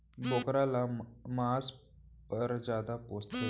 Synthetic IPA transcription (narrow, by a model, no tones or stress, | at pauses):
bokɾalamas | pəɾd͡zjad̪apoːst̪e